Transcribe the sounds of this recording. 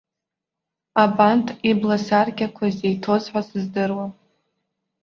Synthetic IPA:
abantʰʼiblasarɡʲakʷʰazejtʰo̞zħʷasɨzdɨrwa

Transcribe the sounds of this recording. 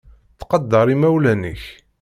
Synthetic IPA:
θqɑd̪ːɑɾˤimæwlænə̰ç

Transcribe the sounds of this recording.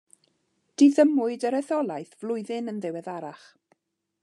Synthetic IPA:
d̥iðəmʊɨdəɾɛθɔlˠajθv̥lˠʊɨðɪnənðɪwɛðaɾaχ

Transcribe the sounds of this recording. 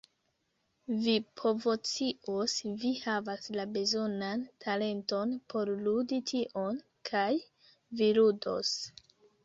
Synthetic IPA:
vipo̞vo̞t͡siʔosvihavaslabe̞zo̞nantʰale̞nto̞npʰo̞ɾluditʰiʔon | kʰaj | viludo̰s

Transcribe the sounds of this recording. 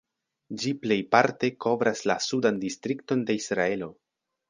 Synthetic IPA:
d͡ʒiple̞jpaɾte̞ko̞vɾaslasudandistɾikto̞nde̞isɾae̞lo̞

